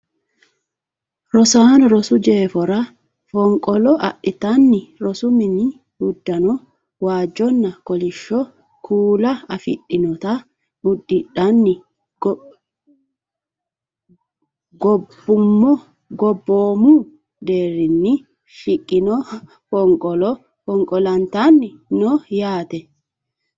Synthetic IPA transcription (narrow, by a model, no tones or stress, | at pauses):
ɾɔsaːnʊɾɔsʊd͡ʒe̞ːfɔɾɐ | fɔŋkʼɔlɔʔɐ̰ʔɪt̪anːɪɾɔsʊmɪnɪ | ʊd̪ːɐnɔ | waːd͡ʒɔnːɐkɔlɪʃːɔ | kʰuːlɐɐfɪ̰ᶑɪnɔt̪ɐ | ʊd̪ːɪᶑɐnːɪ | ɡ | ɡɔbːʊmːɔ | ɡɔbːoːmu | d̪eːɾɪnːɪ | ʃɪkʼːɪnɔ | pɔŋkʼɔlɔ | pɔŋkʼɔlɐnt̪anːɪ | nɔjaːt̪ɛ